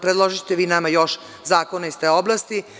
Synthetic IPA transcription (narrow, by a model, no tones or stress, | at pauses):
pɾed̪lˠoʒit̪eʋiːnamajoʃ | zaːkonaist̪eːoblˠast̪i